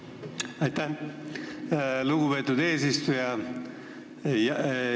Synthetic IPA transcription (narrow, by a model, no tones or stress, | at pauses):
ɑjt̪ːæ | luɡ̥ube̞ːt̪ːˑud̪e̞ːsist̪ujɑ | j